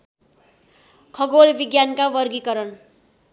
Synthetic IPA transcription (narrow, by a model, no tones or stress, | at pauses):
kʰʌɡolbiɡjankawʌrɡikʌɾʌn